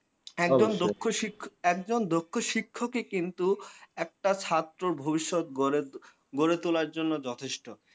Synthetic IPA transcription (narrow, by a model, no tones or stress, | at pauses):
ɛkd͡ʑond̪okʰːoiɛkd͡ʑond̪okʰːoʃikʰːokekint̪uɛk̚ʈat͡ɕʰat̪ːɾoɾbʱobiʃːot̪̚ɡoɾe | ɡoɾet̪ulaɾd͡ʑonːod͡ʑɔt̪ʰeʃʈo